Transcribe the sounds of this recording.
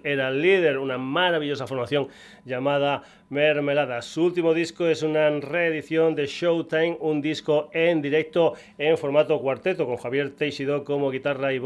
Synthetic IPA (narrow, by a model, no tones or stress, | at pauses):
eɾalið̞eɾunamaɾaβiʎosafoɾmaθjo̞ŋ | ʎamað̞a | meɾmelaðasuult̪imoð̞iskoesunareːðiθjond̪eʃowt̪ajmund̪iskoend̪iɾek̚t̪o | eɱfoɾmat̪okwaɾt̪et̪okoŋxaβje̞ɾt̪ejʃiðokomoɣit̪araiβ